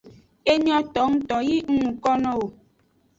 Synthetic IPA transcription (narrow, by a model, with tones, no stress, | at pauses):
e˦ɲɔ̃˦t̪ɔ˨˦ŋ˦t̪ɔ˨ji˦ŋ̩˦ŋũ˨kɔ˦nɔ̃˦wo˨